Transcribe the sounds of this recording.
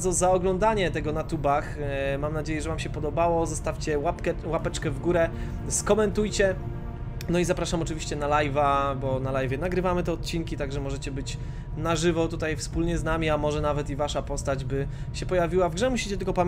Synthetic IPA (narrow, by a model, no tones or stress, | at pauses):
zɔzaɔɡlɔnd̪aɲɛt̪ɛɡɔnat̪ubaxmamnad͡ʑejɛʐɛvamɕɛpɔd̪ɔbawɔzɔst̪afʲt͡ɕɛwapkɛwapɛt͡ʂkɛvɡuɾɛ | skɔmɛnt̪ujt͡ɕɛ | nɔizapɾaʂamɔt͡ʂɨvʲiɕt͡ɕɛnalajvabɔnalajvʲjɛnaɡɾɘvamɘt̪ɛɔt̪̚t͡ɕinkʲit̪aɡʐɛmɔʐɛt͡ɕɛbɘt͡ɕ | naʐɘvɔt̪ut̪ajfspulɲɛznamʲiamɔʐɛnavɛt̪ivaʂapɔst̪ad͡ʑbɘ | ɕɛpɔjavʲiwavɡʐɛmuɕi̥t͡ɕɛt̪ɘlkɔpamʲ